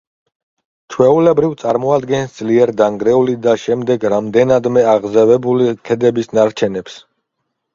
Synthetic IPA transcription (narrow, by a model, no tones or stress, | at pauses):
t͡ʃʰwɛulɛbɾivt̪sʼaɾmɔad̪ɡɛnsd̪zliɛɾd̪aŋɡɾɛulid̪aʃɛmd̪ɛɡɾamd̪ɛnad̪mɛaʁzavɛbulit̪ʰɛd̪ɛbisnaɾt͡ʃʰɛnɛps